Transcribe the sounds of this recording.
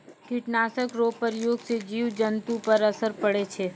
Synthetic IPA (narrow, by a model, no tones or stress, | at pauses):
kiʈnaːsəkɾoːpəɾjoːɡsed͡ʒiːʋd͡ʒənt̪upəɾɐsəɾpəɽet͡ʃʰeː